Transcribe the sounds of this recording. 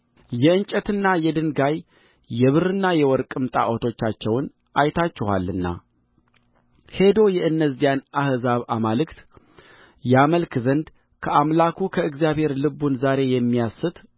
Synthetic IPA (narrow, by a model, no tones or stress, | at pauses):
jɛɨnt͡ʃʼət̪ɨnːajɛd̪ɨnɡajː | ɛβɨɾɨnːajɛwɔɾkʼɨmt̪ʼa̰ʔot̪ʰo̞t͡ʃːat͡ʃːɛwn | ʔajt̪ʰat͡ʃːɛha̰lːɨnːa̰ | he̞d̪o̞jɛʔɨnːəzijanʔahzaβamalɨkt̪ | jaməlkʰzənd̪ | kʰəʔamlakʰukʰəɨɡzijaβhe̞ɾlɨbunzaɾe̞jɛmːijasɨt̪